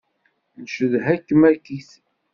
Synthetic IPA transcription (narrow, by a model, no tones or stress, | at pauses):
nʃəðɦækːəmækiθ